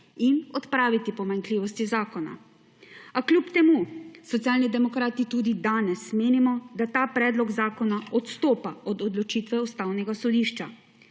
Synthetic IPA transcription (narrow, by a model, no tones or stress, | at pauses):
inɔt̪pɾaːʋit̪ipɔmaŋkliːʋɔst̪izaːkɔna̰ | aklʲupt̪ɛmusɔt̪sijaːlnid̪ɛmɔkɾaːt̪it̪uːd̪id̪aːnɛsmeːnimɔd̪at̪aːpɾɛːd̪lɔɡzaːkɔnaɔt̪st̪oːpaɔd̪ɔd̪lɔt͡ʃiːt̪ʋɛust̪aːwnɛɡasɔd̪iːʃt͡ʃa